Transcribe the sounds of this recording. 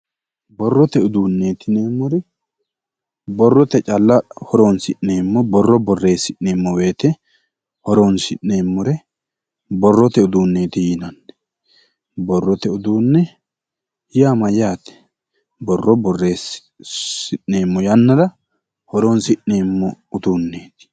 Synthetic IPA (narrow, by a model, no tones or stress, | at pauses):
bɔrːɔt̪ɛʊd̪uːnːeːt̪ɪneːmːʊɾɛ | bɔrːɔt̪ɛt͡ʃʼɐlːɐhɔɾoːnsɪʔne̞ːmːɔbɔrːɔbɔrːe̞ːsɪʔneːmːɔwe̞ːt̪ɛ | hɔɾoːnsɪʔne̞ːmːɔɾɛ | bɔrːɔt̪ɛʊd̪uːnːe̞ːt̪ɪjɪnɐnːɛ̥ | bɔrːɔt̪ɛʊd̪uːnːɛ | jaːmɐjaːt̪ɛ̥ | bɔrːɔbɔrːeːs | sɪʔe̞ːmːɔjɐnːɐd̪ɐ | hɔɾoːnsɪʔne̞ːmːɔʊd̪uːnːe̞ːt̪ɪ̥